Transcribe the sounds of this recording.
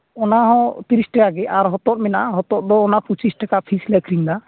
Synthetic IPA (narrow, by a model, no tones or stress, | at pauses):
ɔnaɦɔ̃t̪iɾisʈakaɡɛaɾɦɔt̪ɔt̪̚mɛnaɦɔt̪ɔʔ̚d̪ɔːnaput͡ʃisʈakaʔpʰislɛkʰɾiŋd̪a